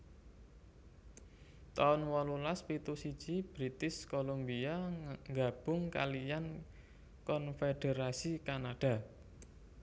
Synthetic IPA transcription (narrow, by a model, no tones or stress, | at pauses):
t̪aɔnwɔlulaspit̪usid̥t͡ʃib̥ɾit̪ɪskolombiaŋɡab̥ʊŋka̰lijan | kɔnfeɖ̥eɾasikanaɖ̥a̤